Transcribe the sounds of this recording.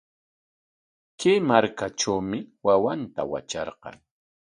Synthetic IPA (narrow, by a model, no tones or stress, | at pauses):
kejmaɾkaʈ͡ʂawmɪwawant̪a̰wa̰t͡ʃɑɾqɑ̰ŋ